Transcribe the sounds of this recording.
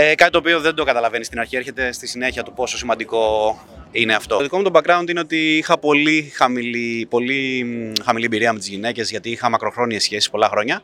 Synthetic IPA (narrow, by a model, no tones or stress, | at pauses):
ekɐt̪it̪oːp̬io̞ðe̞nd̪o̞kɐt̪ɐlɐve̞nist̪inɐɾçie̞ɾçe̞t̪e̞st̪isine̞çiɐt̪upo̞so̞simɐnd̪iko̞ | ine̞ɐft̪o̞ðiko̞mt̪obɐkɾɐunt̪ine̞o̞t̪iixɐpo̞lixɐmilipo̞lixɐmiliebiɾiɐmet̪izʝine̞ce̞zʝɐt̪iixɐmɐkɾo̞xɾo̞niesçe̞si̥spo̞lɐxɾo̞ɲɐ